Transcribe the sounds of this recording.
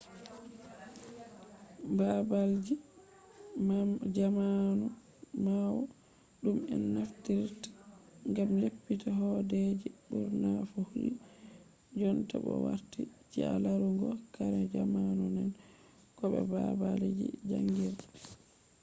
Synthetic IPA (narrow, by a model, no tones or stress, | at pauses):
babald͡ʒi | md͡ʒamanu | mawɔ | ɗumɛnːaftiɾtḁŋɡamlepːitaɦɔded͡ʒibuɾnafuhulː | d͡ʒɔntabɔ̰wa̰ɾtit͡ʃialaɾuŋɡɔkaɾɛd͡ʒamanunɛn | kɔɓɛ̰babald͡ʒḭd͡ʒaŋɡiɾ